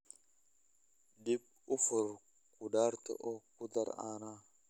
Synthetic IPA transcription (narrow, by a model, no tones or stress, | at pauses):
d̪ɪb | ʊfʊɾ | kʊdaːɾt̪ɔ̰ʔɔkʊd̪ɐ̰ɾa̰ːnaː